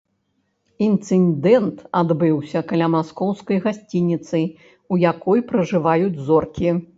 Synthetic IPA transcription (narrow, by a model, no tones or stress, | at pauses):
int̪sɨnd̪ɛnt̪ad̪bɨwsʲɐkalʲamaskɔwskɐjɣasʲt͡sʲinʲit̪sɨ | ujakɔjpɾɐʐɨvajud͡zʲzɔrkʲi